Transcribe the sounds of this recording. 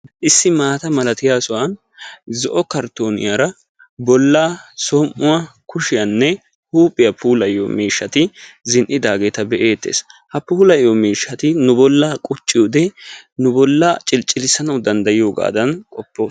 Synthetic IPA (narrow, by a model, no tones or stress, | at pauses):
ʔɪsːɪmaːt̪ɐmɐlɐt̪ɪjaːsʊwan | zɔʔɔkɐɾt̪o̞ːnɪ̰jaɾɐ | bɔlːaːsɔmʔʊwakʊʃɪjanːɛ | huːpʼɪjɐpʰuːlɐjo̰miːʃːɐt̪ɪzɪnʔɪd̪aːɡe̞ːt̪ɐbɛʔe̞ːt̪ːḛːshɐpuːlɐjomiːʃːɐt̪ɪnʊbɔlːakʼʊt͡ʃʼːɪjʊd̪ɛnʊbɔlːɐt͡ʃʼɪlt͡ʃʼːɪlɪsɐnɐwd̪ɐnd̪ɐjɪjo̞ːɡa̰ːd̪ɐnkʼɔpːoːs